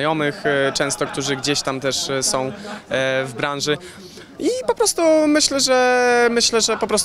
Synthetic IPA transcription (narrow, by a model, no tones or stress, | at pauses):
jɔmɘxt͡ʂɛ̃w̃st̪ɔk̚t̪uʐɘɡd͡ʑeɕt̪amt̪ɛʂsɔ̃w̃ | vbɾãnʐɘ | ipɔpɾɔst̪umɘɕlɛʐɛmɘɕlɛʐɛpɔpɾɔst̪